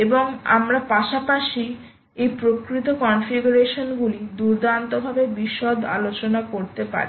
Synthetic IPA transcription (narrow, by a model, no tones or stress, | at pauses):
eboŋa̰mɾapaʃapaʃi | ejpɾokɾit̪okɔnfiɡuɾeʃonɡulid̪uɾd̪ant̪obʱabebiʃːod̪a̰lot͡ɕonakoɾt̪epa̰ɾi